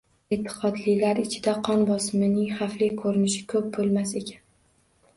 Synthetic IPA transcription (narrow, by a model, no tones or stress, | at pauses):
et̪ʰːɪ̥qʰɒd̪lɪjlaɾɪt͡ʃʰɪd̪aqʰɒnbɒsɪmɪnɪŋχaflɪkʰɵɾɪnɪʃɪ̥kʰɵp̚bolˠmase̞kʲʰan